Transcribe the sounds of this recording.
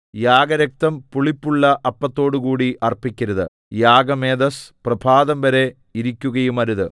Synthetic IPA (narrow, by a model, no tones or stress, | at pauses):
jaːɡɐɾɐk̚t̪ɐmpuɭipːuɭːɐʔɐpːɐt̪ːo̞ːɽukuːɽiʔɐrpikʲːɐɾɐðɨ̰ | jaːɡɐme̞ːd̪ɐsprɐbʱaːðɐmʋɐɾe̞ | iɾikʲːuɣɐjumɐɾuðɨ